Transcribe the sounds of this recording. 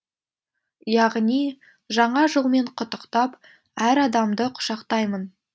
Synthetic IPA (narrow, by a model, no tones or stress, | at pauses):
jɑʁnij | ʒɑɴɑʒəlˠme̞ɴqʰʊt̪ːəqt̪ɑp | æɾɑd̪ɑmd̪əqʰʊ̥ʃɑqt̪ɑjmən